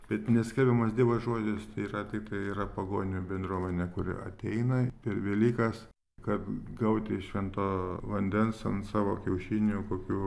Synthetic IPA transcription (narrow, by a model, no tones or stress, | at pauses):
b̥ʲɛt̪nʲɛsʲkʲɛlʲbʲɛmɐsd̪ʲiːbɐsʒoːd͡ʒʲɪst̪ɐɪiːɾɐt̪ʲɪk̚t̪ɐɪiːɾɐpɐɡoːnʲʊbʲɛnd̪ɾuɔmʲɛnʲɛkʊɾʲɪ̰ʔɐ̰t̪ʲɛɪnɐpʲɛɾʋʲɛlʲiːkɐs | kɐt̪ɡɐʊt̪ʲɪʃʲʋʲɛnt̪oːʋɐnʲd̪ʲɛnsɐnsɑːʋoːkʲɛʊʃʲinʲukoːkʲuː